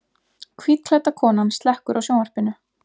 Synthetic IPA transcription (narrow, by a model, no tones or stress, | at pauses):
kʰvit̪l̥ɛt̪akʰɔːnanst̪lɛhkʏɾʔawsjoːwnvaɾ̥pɪnʏ